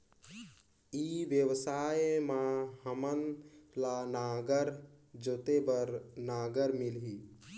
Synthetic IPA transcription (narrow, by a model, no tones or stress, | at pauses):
iːʋjəwsaːjmãhəmənlanaːɡəɾ | d͡ʒot̪ebəɾnaːɡəɾmɪlɦi